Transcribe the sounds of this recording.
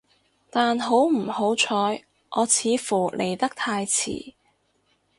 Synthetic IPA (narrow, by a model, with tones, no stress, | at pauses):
t̪aː˨nɦo˨˥wm̩˨˩ho˨˥wt͡ʃʰɔː˨˧j | ʔɔː˨˧t͡sʰiː˨˧fuː˨˩lʔe˨˩jt̪ɐ˥k̚t̪ʰaː˧jt͡sʰḭː˨˩